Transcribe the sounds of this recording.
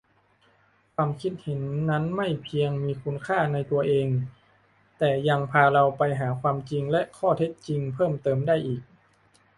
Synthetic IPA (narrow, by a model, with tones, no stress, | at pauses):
kʰwaː˧mkʰi˦˥t̪̚he˩˦nːa˦˥nma˥˩jpʰi˧əŋmiː˧kʰu˧nkʰaː˥˩na˧jt̪u˧ɐʔeː˧ŋ | t̪ɛː˨˩ja˧ŋpʰaː˧ɾa˧wpa˧jɦaː˩˦kʰwaː˧mt͡ɕi˧ŋlɛ˦˥ʔkʰɔː˥˩t̪ʰe˦˥t̪̚t͡ɕi˧ŋpʰɤː˥˩mt̪ɤː˧mdaː˥˩jʔiː˨˩k̚